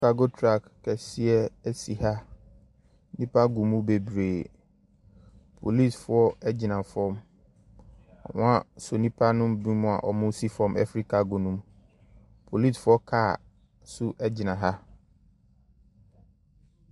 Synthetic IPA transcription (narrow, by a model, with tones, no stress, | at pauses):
kʰa˦ɡo˦tʰɾa˦˨kːɛ˨si˦ɛ˦æ˦si˨ha˦ | nĩ˦pʰa˦ɡũ˨mũ˦be˨bɾeː˨ | pʰo˨li˦˨sfʊ˨˦ɔ˦ɛ˦d͡ʑɪ˨nã˨fɔ̃˦m | ɔ̰˨mʊ̃˦ã˦so˨nĩ˦pʰa˦nʊ̃˦mbĩ˦mʊ̃˨a̰˨ʔɔ˨mʊ̃˦si˦fɔ̃˦mʔɛ̰˦fɾi˦kʰa˨˦ɡo˨nũ˦m | pʰo˨li˦sfʊ˦ɔ˦kʰa˦˨ | sʊ˦ʔɛ˦d͡ʑɪ˨nã˨ɦa˦